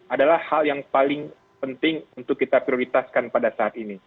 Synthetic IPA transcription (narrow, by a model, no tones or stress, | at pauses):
ʔadalahhaljaŋpalɪŋ | pənt̪ɪŋunt̪ʊkːit̪apɾioɾit̪askanpadasaːt̪ini